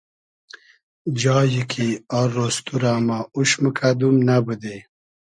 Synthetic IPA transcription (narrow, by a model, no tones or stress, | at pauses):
d͡ʒɑːjikʰiarːost̪uɾaːmauʃməkʰad̪umnabəd̪e